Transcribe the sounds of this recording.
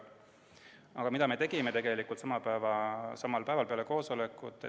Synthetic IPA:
ɑɡ̥ɑmid̪ɑme̞t̪e̞ɡ̥ime̞t̪e̞ɡ̥e̞likˑult̪sɑmɑpævɑsɑmɑlpæevɑlpe̞ɑle̞ko̞ːso̞lekːˑut̪ːˑ

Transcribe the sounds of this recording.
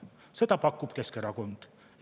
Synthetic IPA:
se̞d̪̥ɑpɑkːˑub̥ke̞skeɾɑko̞nd̪̥

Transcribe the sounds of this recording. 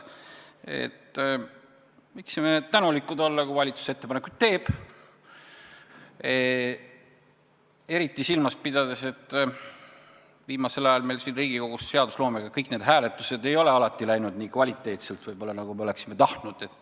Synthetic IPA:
e̞̰t̪ː | miksimet̪ænulikːˑud̪o̞lːɑkuvɑlʲit̪su̥set̪ːepɑne̞kud̪̥t̪e̞ːb̥ | e̞ɾit̪ːˑisilmɑs̚pid̪ɑd̪̥ese̞t̪ːˑ | viːmɑse̞lɑjɑlme̞jlsinriːɡ̥iko̞ɡ̥usse̞ɑd̪̥uslo̞ːmeɡ̥ɑkɤjkne̞ːd̪̥ɦæːle̞t̪ːˑuse̞d̪e̞jo̞le̞ɑlɑt̪ːˑilæjnud̪̥niːkvɑlʲit̪ˑːe̞ːt̪selt̪vɤjbo̞lːɑnɑɡ̥ume̞o̞le̞ksime̞t̪ɑht̪nud̪̥e̞t̪ːˑ

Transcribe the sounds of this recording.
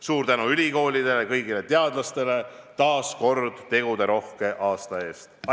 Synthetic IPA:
suːɾt̪ænuylʲiko̞ːlʲid̪e̞lekɤjɡile̞t̪e̞ɑd̪̥lɑst̪e̞le̞ | t̪ɑːsko̞rd̪̥t̪e̞ɡ̥ud̪e̞ɾo̞hke̞ʔɑːst̪ɑe̞ːst̪

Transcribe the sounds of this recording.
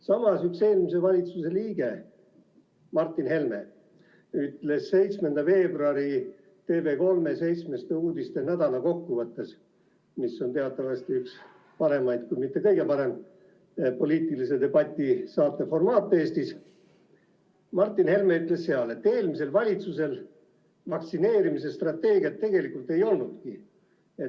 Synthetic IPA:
sɑmɑsykse̞ːlmise̞vɑlʲit̪suse̞liːɡ̥e̞ | mɑrt̪ːˑinhe̞lme̞ | yt̪le̞sːe̞jt̪smend̪̥ɑfe̞ːbruɑɾi | t̪e̞ːve̞ko̞lme̞se̞jt̪sme̞st̪euːd̪ist̪enæd̪̥ɑnɑko̞kːuvɤt̪ːˑe̞s | misːo̞nt̪eɑt̪ːˑɑvɑst̪iyks | pɑɾe̞mɑjd̪̥kujmit̪ːe̞kɤjɡe̞pɑɾe̞m | po̞liːt̪ːˑilise̞d̪e̞bɑt̪ʲːˑisɑːt̪ːˑefo̞rmɑːt̪ːˑeːst̪is | mɑrt̪ːˑinhe̞lmeyt̪ːˑle̞she̞ɑle̞t̪ːe̞ːlmis̬e̞lvɑlʲit̪suse̞l | vɑksine̞ːɾimis̬est̪rɑt̪ːe̞ːɡ̥iɑt̪ːe̞ɡ̥e̞likult̪ːˑe̞jo̞lnud̪̥ki | e

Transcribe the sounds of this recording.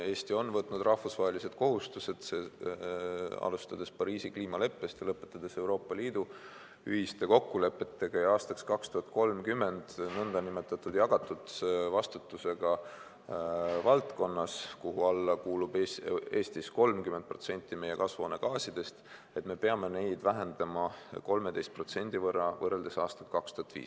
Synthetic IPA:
e̞ːst̪io̞nvɤt̪ːˑnud̪rʔɑhfusvɑɦe̞lise̞d̪̥ko̞ɦust̪use̞d̪̥se | ɑ̰lust̪ɑd̪̥e̞spɑɾiːsikliːmɑle̞pːe̞st̪jɑlɤpːˑe̞t̪ːˑɑd̪̥e̞se̞wɾo̞ːpːˑɑliːd̪u | y̰hist̪e̞ko̞kːule̞pːˑe̞t̪ːe̞ɡ̥ɑjɑɑːst̪ɑkskɑkst̪uhɑt̪̚ko̞lmkymːe̞nd̪̥nɤnd̪ɑnime̞t̪ːˑɑt̪ːˑud̪̥jɑɡ̥ɑt̪ːˑut̪vɑst̪ut̪ːˑuse̞ɡ̥ɑ | vɑlt̪ko̞nːɑskuɦuɑlːɑkuːlubee̞ːst̪isko̞lmkyment̪̚pro̞t̪se̞nʲt̪ːˑime̞je̞kɑsvonekɑːsid̪̥e̞st̪e̞t̪me̞peɑme̞ne̞jd̪̥væɦe̞nd̪̥ɑmɑko̞lme̞d̪e̞jst̪̚pro̞t̪se̞nʲd̪̥ivɤrːɑvɤrːeld̪̥e̞sɑːst̪ɑ̥t̪kɑkst̪uhɑt̪vḭːs

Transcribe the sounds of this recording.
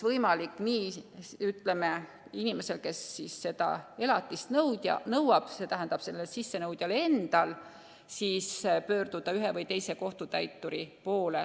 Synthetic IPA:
vɤjmɑlikːniːyt̪ːˑle̞me̞ | inime̞se̞lke̞sːiːsːe̞d̪̥ɑ̰e̞lɑt̪ːˑist̪nɤwd̪̥ʲjɑ̰nɤwɑb̥se̞t̪æɦænd̪̥ɑb̥se̞lːesisːe̞nɤwd̪̥ʲjɑle̞nd̪̥ɑl | siːspø̞ːrd̪̥ud̪̥ɑyɦevɤjt̪e̞jse̞ko̞ht̪ut̪æjt̪ːˑuɾipo̞ːle

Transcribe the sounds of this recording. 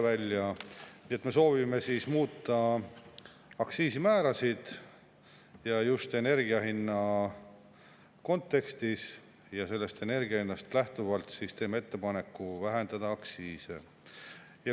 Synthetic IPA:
vælʲːjɑniːe̞t̪ˑme̞so̞ːvime̞siːsmuːt̪ːˑɑ | ɑksiːsimæːɾɑsid̪̥ | jɑjust̪e̞ne̞rɡiɑɦinːɑ | ko̞nt̪ːe̞kst̪is | jɑse̞lːe̞st̪e̞ne̞rɡiɑhinːɑst̪læht̪uvɑlt̪sist̪eːmee̞t̪ːe̞pɑne̞kːuvæɦe̞nd̪̥ɑd̪̥ɑɑksiːse | jɑ

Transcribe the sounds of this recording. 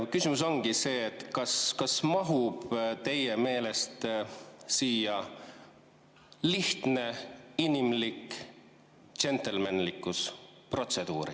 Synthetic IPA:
kysimus̬o̞ŋɡise̞ːt̪ːˑkɑskɑsmɑɦub̥t̪e̞jeme̞ːle̞st̪ | siːjɑ | liht̪ne̞inimlik | t͡ʃe̞nt̪elmænlikːˑus | pro̞t̪se̞d̪̥uːɾḭ

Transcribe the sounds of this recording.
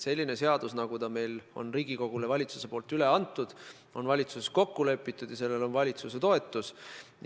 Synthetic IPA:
se̞lʲːine̞se̞ɑd̪̥usnɑɡ̥ut̪ɑme̞jlo̞̰nriːɡ̥iko̞ɡ̥ulevɑlʲit̪su̥se̞po̞ːlt̪yleɑnt̪ːˑud̪̥ | o̞nvɑlʲit̪suseko̞kːule̞pːˑit̪ːˑud̥̪jɑse̞lːe̞lo̞nvɑlʲit̪suse̞t̪o̞e̞t̪ːˑus

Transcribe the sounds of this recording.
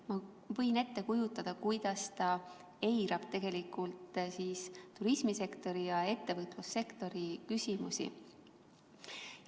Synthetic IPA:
mɑ | vɤ̞jne̞t̪ːe̞kujut̪ːˑɑd̪̥ɑkujd̪̥ɑst̪ɑ | e̞jɾɑb̥̚t̪e̞ɡ̥e̞likˑult̪siːst̪uɾismise̞kt̪o̞ɾijɑe̞t̪ːe̞vɤt̪ˑlusːe̞kt̪o̞ɾikysʲimusḭ

